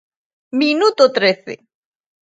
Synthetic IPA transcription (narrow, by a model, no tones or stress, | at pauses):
minut̪ot̪ɾeθḛ